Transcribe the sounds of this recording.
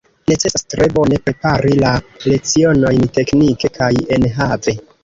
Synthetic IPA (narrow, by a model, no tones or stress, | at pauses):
ne̞t͡se̞sastɾe̞bo̞ne̞pɾe̞paɾilale̞t͡sio̞no̞jnte̞knike̞kʰaje̞nɦave̞